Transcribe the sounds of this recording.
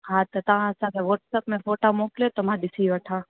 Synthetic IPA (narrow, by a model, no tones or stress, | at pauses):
ɦãt̪ot̪əãsãkẽʋɔʈsəpmẽfoːʈamokljet̪omãd̪ɪsiʋəʈʰã